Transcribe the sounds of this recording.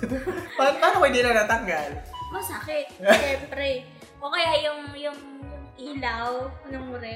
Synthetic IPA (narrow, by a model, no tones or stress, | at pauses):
papaːnopʊɪd̪inɐŋnaːt̪ɐŋɡalmosakɛʔʃɛmpɾɛ | kokɐjajʊŋjʊŋʔiːlawnɐŋmʊɾɛ